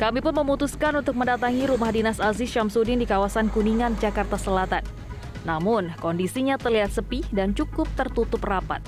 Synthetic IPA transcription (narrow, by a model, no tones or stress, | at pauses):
kamipʊnməmut̪uskanunt̪ʊk̚məndat̪aŋiɾumahdinasazɪsʃamsudɪndikawasankuniŋand͡ʒakart̪asəlat̪anː | amʊnkɔndisiɲat̪ərliɦat̪̚səpihdant͡ʃukʊp̚t̪ərt̪ut̪ʊprapa̰t̪̚